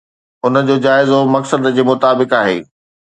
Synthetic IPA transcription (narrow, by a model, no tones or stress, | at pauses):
ʊnə̆d͡ʑoːd͡ʑaːɪzomɐksəd̪d͡ʑeːmʊt̪aːbɪkaːɦḛː